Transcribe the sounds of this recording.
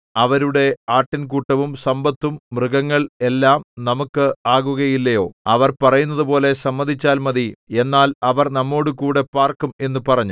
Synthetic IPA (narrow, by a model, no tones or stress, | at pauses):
ɐʋɐɾuɽe̞aːʈːink̬uʈːɐʋumsɐmbɐt̪ːumːrɨɣɐŋːɐɭe̞lːaːmnɐmukːɨaːɣuɣɐjilːɐjo̞ːɐʋɐrpɐrɐjunːɐðupo̞ːle̞sɐmːɐd̪ʱit͡ɕːaːlmɐðie̞nːaːlɐʋɐrnɐmːo̞ːɽɨkuːɽe̞paːrkume̞nːupɐrɐɲːu